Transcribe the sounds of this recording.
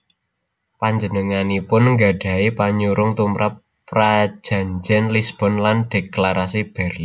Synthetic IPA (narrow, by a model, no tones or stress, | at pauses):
paɲd͡ʒənəŋanipʊnŋɡa̤ɖ̥a̤ipaɲuɾʊŋt̪umɾʔapː | rḁd͡ʒʒ̥ä̤ɲd͡ʒɛnlisb̥ɔ̤nland̥eklaɾasib̥ɛrli